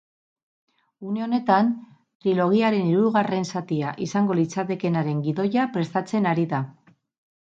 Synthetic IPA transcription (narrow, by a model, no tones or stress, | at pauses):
une̞o̞ne̞t̪an | t̪ɾilo̞ɣ̞iaɾe̞niɾuɣare̞nsat̪iaʔisaŋɡo̞lit͡sat̪e̞ke̞naɾe̞ŋɡiðo̞japɾe̞st̪at͡se̞naɾiða